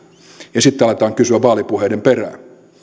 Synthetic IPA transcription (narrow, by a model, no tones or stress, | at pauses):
jɑsit̪ːeɑlet̪ɑːŋkysyæʋʋɑːlipuheːdemperæ̰ˑːn